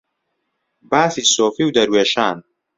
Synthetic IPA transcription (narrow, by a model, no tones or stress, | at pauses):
baːθiːsoːfiːwd̪ɐɾweːʃaːn